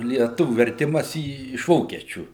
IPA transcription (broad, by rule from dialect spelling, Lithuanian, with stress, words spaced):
lʲiɛˈtʊʋʲʊ ʋʲɛrʲˈtʲɪmɐs iː ɪʃ ˈʋoːkʲiɛt͡ʃʲuː